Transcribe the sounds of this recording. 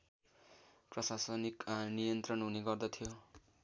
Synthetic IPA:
prʌsasʌniknijʌnt̪rʌnɦuneɡʌrd̪ʌt̪ʰijo

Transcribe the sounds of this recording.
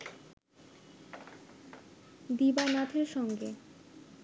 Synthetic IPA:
d̪ibanat̪ʰeɾʃɔŋɡe

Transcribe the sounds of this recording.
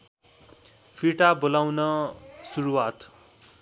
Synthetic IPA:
pʰiʈabolawnʌsuɾuwat̪

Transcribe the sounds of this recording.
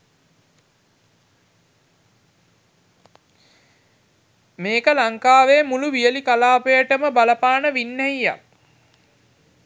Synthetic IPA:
meːkəlaŋkaːʋeːmuluʋijəlikalaːpəjəʈəməbaləpaːnəʋinːɛija̰k

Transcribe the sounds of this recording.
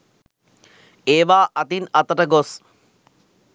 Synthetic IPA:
eːʋaːʔɐt̪inɐt̪əʈəɡos

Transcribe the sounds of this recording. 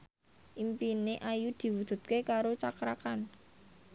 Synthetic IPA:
ʔimpineʔajud̪̥i̤wu̥d̪̥ṳt̪̚kekaɾot͡ʃakɾakan

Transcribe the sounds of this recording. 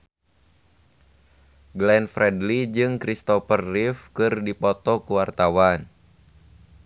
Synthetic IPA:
ɡlɛnfɾʔɛdlid͡ʒɨŋkɾist̪ɔfərːifkɨrdipɔt̪ɔkuwart̪awan

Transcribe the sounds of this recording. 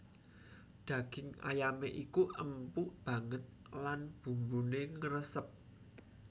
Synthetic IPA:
d̪̥ä̤ɡ̥ɪŋa̰jameʔikuʔəmpuʔb̥ä̤ŋət̪̚ | lanb̥ṳmbuneŋəɾəsəp̚

